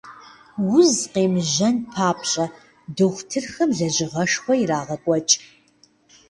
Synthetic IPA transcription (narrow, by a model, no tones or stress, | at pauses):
wʊzqeːmʒɐnpʰaːpʰɕʼɐ | dɨxʷtʰɨrxɐmɮɐʑɪʁɐʂxʷɔjiraːʁɐkʷʼɔt͡ʃʼ